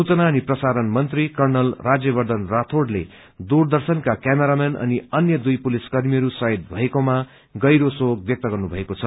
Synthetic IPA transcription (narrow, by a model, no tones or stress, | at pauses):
sut͡sʌnaʌniprʌsaɾʌnmʌnt̪rikʌrnʌlrad͡zjʌbʌrd̪ʱʌnrat̪ʰoɖle | d̪urd̪ʌrsʌnkakjameɾamenʔʌ̰niʌnjʌd̪ujpuliskʌrmiʌɾusʌjd̪̚bʱʌekoma | ɡʌjɾosoɡ̚bjʌk̚t̪ʌɡʌrnubʱʌekot͡sʰʌ